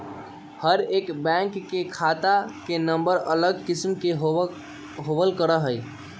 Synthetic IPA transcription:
həɾekbɛ̃ŋkːekʰat̪akenəmbəɾələɡ̚kismkeɦ | ɦobəlkəɾəɦəj

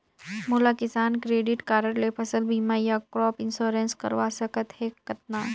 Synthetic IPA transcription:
molakɪsaːnkɾeːɖɪʈkaːɾəɾlepʰɐsəlbʱiːmajakɾɔːpɪ̃nsoːɾẽnskɐ̰ɾʋasɐkət̪heːkɐt̪̚naː

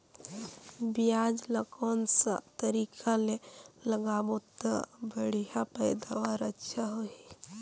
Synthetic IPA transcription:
bijaːd͡ʒləkɔːnsa̰t̪əɾikʰaleləɡaːmot̪a̰bəɽ̤ijapəɪd̪aɔɾətːʃʰaɦoi

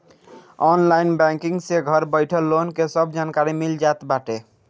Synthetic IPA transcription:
ɔnlajnbɛ̃ŋkiŋseɡʱʌɾbəjʈʰəlːonkesʌbd͡ʒankaɾimild͡ʒat̪baʈe

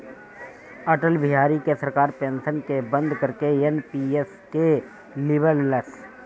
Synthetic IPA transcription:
əʈəlbɪɦaːɾikesəɾkaːɾpẽːnsənkebə̃nd̪ʱkəɾkeenpies | ke | lɪbəlləs

